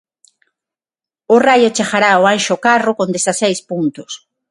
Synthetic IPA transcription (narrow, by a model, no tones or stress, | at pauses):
ʊrajot͡ʃaxaɾaoanʃokarʊkõnd̪esasejspunt̪ʊs